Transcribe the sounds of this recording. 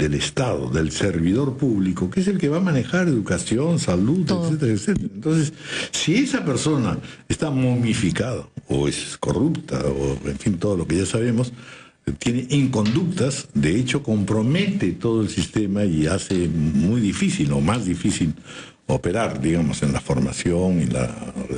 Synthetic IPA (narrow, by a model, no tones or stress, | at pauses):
d̪e̞lest̪aðo̰ðe̞lse̞ɾβiðo̞ɾpuβliko̞kees̬e̞lkeβamanexaɾe̞ðukasjo̞nsaluðeet̪eɾaekset̪eaent̪o̞ns̬esːie̞sape̞ɾso̞naest̪amomifikaðao̰esko̞̰rupt̪ʰa̰o̰ḛɱfint̪o̞ð̞olo̞keʝasaβ̞e̞mo̞s | t̪jeneʔiŋko̞nd̪uk̚t̪asd̪eet͡ʃo̞ko̞mpɾo̞me̞t̪et̪o̞ðoelsist̪e̞maiasemujðifisilo̞̰mazðifisil | o̰peɾaɾd̪iɣamo̞se̞nlafo̞ɾma̰sjoŋinla̰